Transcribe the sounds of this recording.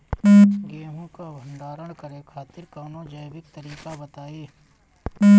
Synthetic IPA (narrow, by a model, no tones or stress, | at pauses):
ɡeːɦõkabʱə̃ɳɖaːɾəɽ̃kəɾekʰaːt̪ɪɾkaːnõd͡ʒəjʋɪk̚t̪əɾiːkabɐt̪aːeː